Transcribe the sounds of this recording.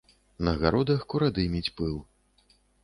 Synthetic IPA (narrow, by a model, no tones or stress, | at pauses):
nɐɣaɾɔd̪ɐxkuɾad̪ɨmʲit͡sʲpɨlˠ